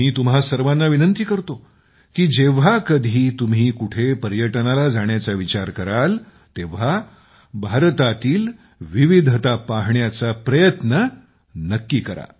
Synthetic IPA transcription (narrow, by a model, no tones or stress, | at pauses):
miːt̪um̤ɦasəɾʋanːaʋinənt̪iːkəɾt̪o | kiːd͡ʑeʋ̤akəd̪ʱiːt̪umɦiːkuʈʰepəɾjəʈnalad͡zaɳ̃jat͡saʋit͡ɕaɾkəɾal | t̪eʋ̤a | bʱaɾt̪at̪iːl | ʋiʋid̪ʱt̪apaɦɳjat͡sapɾəjət̪nə | nəkːiːkəɾa̰